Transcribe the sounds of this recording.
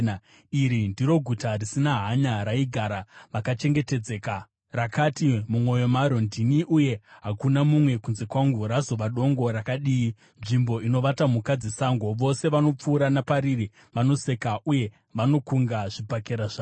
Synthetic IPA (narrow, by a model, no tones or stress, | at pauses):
iɾindiɾo̞ɡʱutarisinaɦaɲaɾaiɡʱaːɾaʋakat͡ʃe̞ŋɡe̞te̞d͡ze̞ka | rakatimumo̞jo̞maɾo̞ndiniʔuje̞ɦakunamumwe̞kunze̞kwaŋɡuɾazo̞ʋaɗo̞ŋɡo̞ɾakaɗiːi | nʐimbo̞ino̞ʋatamukad͡zesaŋɡo̞ʋo̞se̞ʋano̞p͡fuːɾanapaɾiri | ʋano̞se̞kaʔuje̞ | ʋano̞kuŋɡaʐipakeɾaʐaː